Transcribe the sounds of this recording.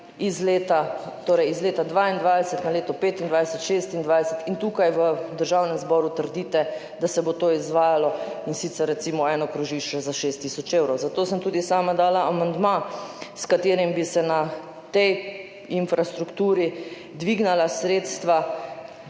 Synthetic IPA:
izleːt̪at̪oːɾɛjizleːt̪ad̪ʋaːind̪ʋajsət̪naleːt̪ɔpeːt̪ind̪ʋajsət̪ʃeːst̪ind̪ʋajsət̪int̪uːkajʋəd̪əɾʒawnɛmzbɔɾut̪əɾd̪iːt̪ɛ | d̪asɛbot̪oːizʋaːjalɔinsit̪sɛɾːɛt̪siːmɔɛːnɔkɾuʒiʃt͡ʃɛzaʃeːst̪ːisɔt͡ʃeːwɾɔwzat̪oːsəmt̪uːd̪isaːmad̪aːlaʔamand̪maskat̪eːɾimbisɛna | t̪ɛj | infɾʔast̪ɾukt̪uːɾi | d̪ʋiːɡnalasɾeːt̪st̪ʋa

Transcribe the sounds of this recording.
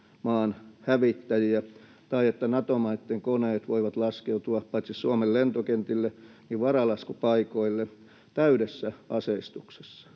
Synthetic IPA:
mɑːnhæʋit̪ːæjiæ | t̪ɑiet̪ːænɑt̪omɑit̪ːeŋkoneːt̪ʋoiʋɑt̪lɑskeut̪uɑppɑit̪sissuomellent̪okent̪ilːe | niʋʋɑrɑlɑskupɑikoilːe | t̪æydesːæɑseist̪ukse̥sːɑ̥

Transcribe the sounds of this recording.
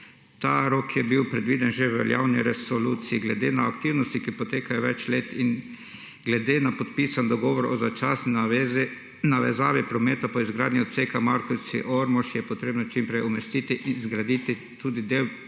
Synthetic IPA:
t̪aɾoːkʰjɛbiwpɾɛd̪ʋiːd̪ɛnʒeʋɛ̰lja̰wniɾɛsoluːt̪siiɡlɛd̪enaːkt̪iwnɔst̪ikipɔt̪eːkajɔʋɛt͡ʃleːt̪in | ɡlɛd̪enapot̪piːsand̪ɔɡɔːʋɔɾɔ̰zat͡ʃasnina | naʋɛzaːʋipɾɔmeːt̪apɔizɡɾaːd̪niɔt̪sekamaɾkosḭʔoɾmɔʃjɛpɔt̪ɾeːbnɔt͡ʃimpɾɛjɔmɛst̪it̪iʔinzɡɾad̪it̪i | t̪uːd̪id̪ew

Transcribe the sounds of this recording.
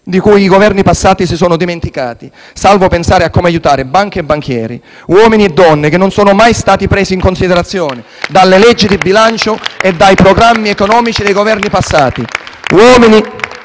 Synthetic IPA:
d̪ikujiɡovɛrnipasːaːt̪isisɔːnʊd̪iment̪ika̰ːt̪i | salvopensaːɾeakːomeajut̪aːɾɪbaŋk̟eːbːaŋkʰjɛ̰ːɾḭ | wɔːminiɛd̪ːɔnːekenːonsɔːnʊmajst̪aːt̪ipɾeːziːŋkonsid̪eɾat̪sːjɔːnɪ | d̪alːelɛd͡ʒːid̪ibilant͡ʃoed̪ːajpɾoɡɾamːiɛkonɔːmit͡ʃid̪ejɡovɛrnipasːaːt̪iwɔːmini

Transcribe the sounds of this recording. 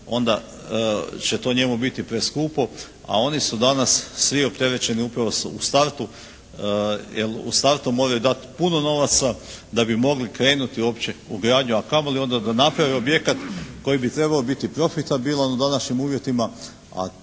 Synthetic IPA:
o̞nd̪a | t͡ɕe̞t̪o̞ɲe̞mubit̪ipɾe̞skuːpo̞ | a̰o̞nisud̪anassʋio̞p̚t̪e̞ɾe̞t͡ɕe̞niupɾaʋo̞sṵst̪aɾt̪u | jelṵst̪aɾt̪umo̞ːɾajud̪at̪puno̞no̞ʋat̪sad̪abimo̞ɡlikɾe̞ːnut̪iuo̞ːpt͡ɕe̞uɡɾaːd̪ɲuakamolio̞nd̪ad̪anapɾaʋeo̞bje̞kat̪ko̞jibit̪ɾe̞baobit̪ipɾo̞fit̪abilˠanud̪anaʃɲimuːʋje̞t̪ima | a̰

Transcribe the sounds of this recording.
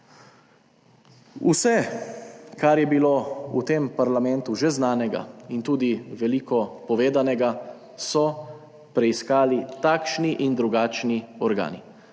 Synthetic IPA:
usɛ | kaɾjɛbiloṵt̪empaɾlamɛ̃nt̪uʒɛznaːnɛɡa̰int̪uːd̪iʋɛlikɔpɔʋeːd̪anɛɡa | sɔ | pɾɛiskaːlit̪akʃniʔind̪ɾuɡaːt͡ʃniɔɾɡa̰ːnḭ

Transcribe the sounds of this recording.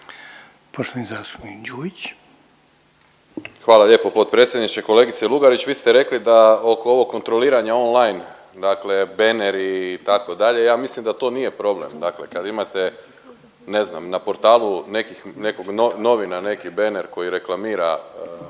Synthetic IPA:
poʃt̪onizaːst̪u̥pnikd͡ʑuːʋit͡ɕ | xʋaːlaʎe̞po̞po̞t̪̚pɾet̪sjed̪nit͡ʃeko̞le̞ɡit̪selˠuɡaɾit͡ɕʋiːst̪eɾe̞klid̪aokoo̞ʋo̞k̚ːo̞nt̪ɾo̞liːɾaɲao̞nlˠajn | d̪akle̞be̞neɾit̪ako̞d̪aʎe̞jaːmislimd̪at̪o̞ːnije̞pɾo̞ble̞̰md̪akle̞kad̪imat̪e | ne̞zna̰mnapo̞ɾt̪aːlˠune̞kixne̞ko̞ɡnono̞ʋinane̞kibe̞neɾko̞jiɾe̞klˠamiːɾa̰

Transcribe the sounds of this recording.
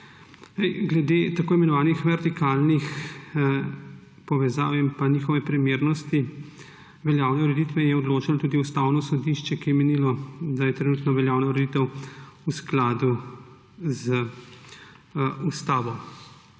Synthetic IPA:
nɛjɡlɛd̪eːt̪akoːimɛnɔʋaːnixʋɛɾt̪ikaːlnix | pɔʋɛza̰ːwimpaniːxɔʋɛpɾimeːɾnɔst̪i | ʋɛljaːwnɛuɾɛd̪iːt̪ʋɛjɛɔd̪loːt͡ʃanɔt̪uːd̪iust̪awnɔsɔd̪iʃt͡ʃɛkijɛmɛnilɔd̪ajɛt̪ɾɛnuːt̪nɔʋɛljawnauɾɛd̪it̪ɛwusklaːd̪u | zə | ust̪aːʋɔ

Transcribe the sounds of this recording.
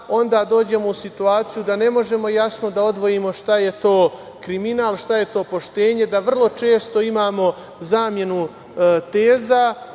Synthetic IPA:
o̞nd̪aːd̪o̞ːd͡ʑe̞mo̞usit̪uaːt̪sijud̪ane̞mo̞ʒe̞mo̞jasno̞d̪ao̞d̪ʋo̞jimo̞ʃt̪aje̞t̪o̞ː | kɾiminaːlˠʃt̪aje̞t̪o̞ːpo̞ʃt̪e̞ːɲe̞d̪aʋr̩lˠo̞t͡ʃe̞ːst̪o̞imaːmo̞ | zaːmje̞nu | t̪eːza

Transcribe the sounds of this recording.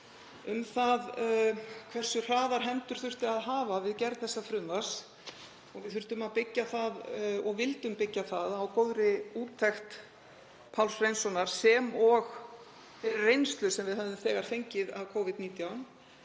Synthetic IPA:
ʏmθað | kʰvɛr̥sʏr̥aːðaɾ̥ɦɛmt̪ʏɾ̥θʏr̥t̪ɪaðɦaːvavɪðcɛɾðθɛsːafɾʏmvḁs | ɔɣvɪðθʏr̥t̪ʏmaðpɪcːaθaðɔɣvɪlt̪ʏmpɪcːaθaðawkowðɾɪuːt̪ʰːɛxt̪ | pʰawlsrejnsɔnaɾ̥sɛmɔɣ | fɪɾɪɾːejnst̪lʏsɛmvɪðɦɛvðʏmθɛːɣaɾ̥θejɲcɪðavkʰowvɪd̪̚niːt̪jawn

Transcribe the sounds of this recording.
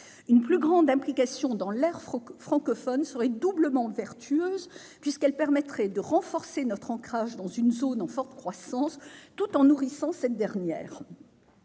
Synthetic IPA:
ynplyɡʁɑ̃d̪ɛ̃plikasjɔ̃d̪ɑ̃lɛʁfχɑ̃kɔfɔnsəʁɛd̪ubləmɑ̃vɛʁt̪ʰyøːz | pɥiskɛlpɛʁmɛt̪χɛd̪əʁɑ̃fɔʁsenɔt̪χɑ̃kχaʒd̪ɑ̃zynzonɑ̃fɔʁt̪kχwasɑ̃st̪ut̪ɑ̃nuʁisɑ̃sɛt̪̚d̪ɛʁnjɛ̰ːʁ

